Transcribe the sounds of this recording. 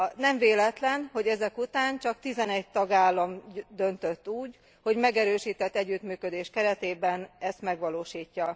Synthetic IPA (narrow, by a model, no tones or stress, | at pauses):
nɛɱveːlɛt̪lɛnho̞ɟɛzɛkut̪aːnt͡ʃɒkt̪izɛnɛɟ̚t̪ɒɡaːlːɒmd̪ø̞nt̪øt̪ːuːɟ | ho̞ɟmɛɡɛɾøːʃiːt̪ɛt̪ːɛɟːyt̪myːkød̪eːʃkɛɾɛt̪eːbɛnɛst̪mɛɡʋɒloːʃiːcːɒ